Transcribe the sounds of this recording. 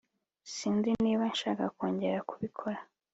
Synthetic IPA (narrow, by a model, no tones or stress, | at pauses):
siːnziniːβanʃaːkako̞ːɲɟeɾakuβikʰoɾa